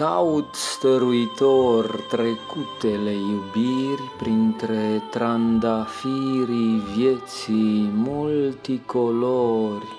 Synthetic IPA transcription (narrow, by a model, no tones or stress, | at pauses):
awt̪st̪eɾuit̪ɔrt̪ɾekut̪ːelejubiɾipɾint̪ɾet̪ɾand̪afiːɾivjet̪simult̪ikoloːɾi